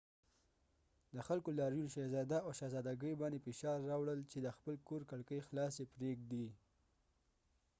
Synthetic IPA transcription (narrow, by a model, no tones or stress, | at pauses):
d̪əxalkolɑɾjunʃazɑd̪aaʃazɑd̪aɡəjbɑnd̪efeʃɑɾːɑwɽəlt͡ʃed̪əxpəlkoɾkaɽkəjxlɑsepɾeɡ̚d̪i